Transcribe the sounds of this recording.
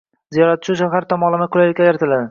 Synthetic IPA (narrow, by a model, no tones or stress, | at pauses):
zijɒɾat̪̚t͡ʃʰʊʃ̬aɦaɾt̪ʰɒmɒlˠɪmakʰʊlajlɪkʲʰːajaɾt̪ʰɪlad̪ɪ